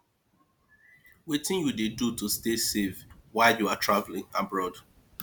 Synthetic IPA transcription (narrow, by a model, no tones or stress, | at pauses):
wetɪ̃njudedutustesevwaɪljuatʰɹavlɪ̃ŋabɹɔd